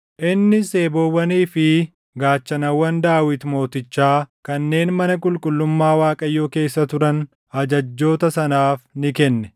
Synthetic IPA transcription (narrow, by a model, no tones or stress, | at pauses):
ʔɪnːɪse̞ːbowɐniːfɪ | ɡaːt͡ʃːɐnɐwːɐnd̪aːwɪt̪mo̞ːt̪ɪt͡ʃːaːkɐnːe̞ːnmɐnɐkʼʊlkʼʊlːʊmːaːwaːkʼɐjːoːke̞ːsːɐt̪ʊɾɐn | ɐd͡ʒɐd͡ʒːo̞ːt̪ɐsɐnaːfnɪkɛnːɛ̥